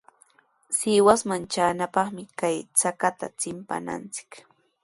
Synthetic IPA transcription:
sɪːwasmant͡ʃaːnapɑχmɪkajt͡sakat̪a̰t͡sɪmpa̰na̰nt͡sɪ̥k

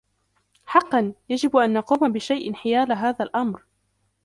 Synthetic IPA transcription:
ħɑqːɑnjad͡ʒɪbʔanːɑquːmabɪʃajʔɪnħɪjaːlɦaːðalʔamɾ

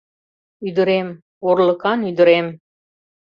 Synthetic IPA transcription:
yd̪ə̆ɾem | orlə̆kɑnyd̪ə̆ɾem

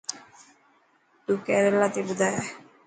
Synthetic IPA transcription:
t̪ukɛɾɛlːat̪ibud̪aj

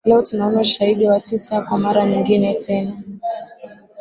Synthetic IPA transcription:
lɛɔtunaɔnauʃahiɗiwatisakwamaɾaɲiŋɡinɛtʰɛna

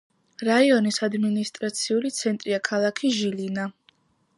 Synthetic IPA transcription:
ɾaiɔnisad̪minist̪ʼɾat̪sʰiulit̪sʰɛnt̪ʼɾiakʰalˠakʰiʒilina

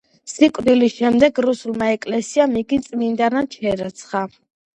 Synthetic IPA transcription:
sikʼd̪ilisʃɛmd̪ɛɡɾusulˠmaɛkʼlɛsiamiɡit̪sʼmind̪anat͡ʃʰɛɾɛt̪sʰχa

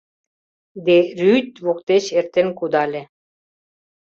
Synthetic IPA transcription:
d̪eɾyt̪ʲβokt̪et͡ɕert̪enkud̪ɑlʲĕ

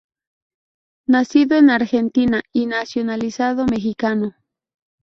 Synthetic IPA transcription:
nasiðoenaɾxent̪inainasjonalisaðomexikano

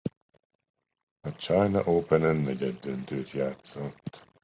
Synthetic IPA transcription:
at͡ʃajna̰ʔoːpʰɛnənːɛɟɛd̪ənt̪ʰøːt̪ʰjaːt̪t͡sɔt̪

